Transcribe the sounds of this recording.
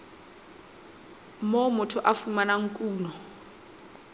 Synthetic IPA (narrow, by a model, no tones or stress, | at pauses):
momʊtʰʊʔafumanaŋ̩kʼuːnɔ